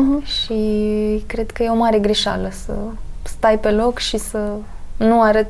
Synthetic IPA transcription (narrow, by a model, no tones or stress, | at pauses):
ɦʃikɾe̞d̪kəjeo̞maɾe̞ɡɾiʃa̰ləsə̰st̪ajpe̞lo̞kʃisənuaɾət̪